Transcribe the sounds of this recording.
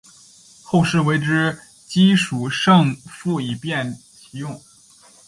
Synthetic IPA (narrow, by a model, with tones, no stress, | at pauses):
xo˥˧ʊʂɻ̩˥˩we˧˥ɪʈ͡ʂɻ̩˥ | t͡ɕi˥ʂu˨˩ʂɤ˥˧ŋfu˥˩i˨˩pjɛ˥˩n | t͡ɕʰi˧˥jʊ˥˩ŋ